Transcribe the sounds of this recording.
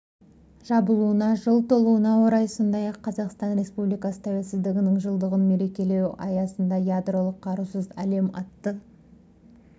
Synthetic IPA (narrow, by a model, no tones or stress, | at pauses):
ʒ̥ɑbəlˠuənɑʒəlˠt̪ʰo̞lˠuənɑwo̞ɾɑjso̞nd̪ɑjɑqʰːɑzɑqst̪ɑnɾe̞spublijkɑsə̥t̪ʰæwelʲsɪzd̪ɪɡʲɪnɪŋʒəlˠd̪əʁənme̞ɾe̞kʲe̞le̞wɑ̰jɑsənd̪ɑjad̪ro̞lˠəqʰːɑɾuwsəzæle̞mɑt̪ːə